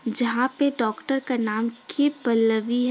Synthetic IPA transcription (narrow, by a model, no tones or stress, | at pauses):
d͡ʒɐɦãpeɖɔːkʈəɾkanaːmkʰipɐlːəʋiɦ